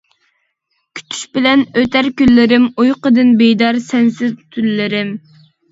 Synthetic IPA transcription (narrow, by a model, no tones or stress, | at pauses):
kʲʰy̥t̪ʰy̥ʃbɪlɛnøt̪ʰæɾkʲylːɪɾɪmujqəd̪ɨnbejd̪ɑɾsɛnsɪzt̪ʰylːɪɾɪm